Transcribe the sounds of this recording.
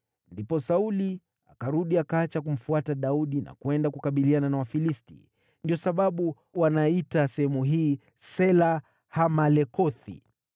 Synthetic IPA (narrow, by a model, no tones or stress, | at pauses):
ndipɔsauli | akaɾuɗiakaat͡ʃakum̩fuataɗauɗina̰kuɛndakukaɓiliananawafilistḭ | ndiɔsaɓaɓu | wanaitasɛhɛmuɦiː | sɛla | hamalɛkɔθḭ